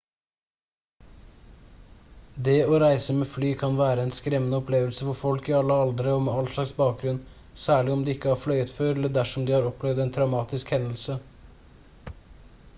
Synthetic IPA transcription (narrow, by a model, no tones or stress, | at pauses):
d̪eːoːɾæɪsəmeːflyːkʰɑnʋæːɾəɛnskɾɛmənəɔpʰleːʋəlsəfɔɾfɔlkɪɑlːəɑld̪əɾəɔmɛɑlʂɭɑksbɑːk̚ɡɾʉn | sæːɭɪɔmd̪ɛːɪkːəhɑːflœʏət̪føːɾɛlːəɖæʂɔmd̪iːhɑːɾɔpːlɛʋd̪ɛːnt̪ʰɾɑʉmɑːt̪ɪskhɛnəlsə